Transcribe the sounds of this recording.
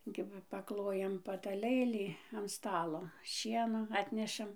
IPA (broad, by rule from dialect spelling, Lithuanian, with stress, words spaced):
ˈkʲɪbɐ pɐˈklˠoːjɛm pɐtɐˈlˠɘlʲiː ɐn ˈstɑːlˠoː ˈʃʲiɛnoː ˈɑːtʲnʲɛʃɐm